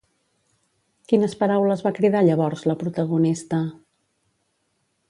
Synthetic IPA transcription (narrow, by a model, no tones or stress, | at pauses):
kinəspəɾawləzβakɾið̞aʎəβɔɾzləpɾut̪əɣunist̪ə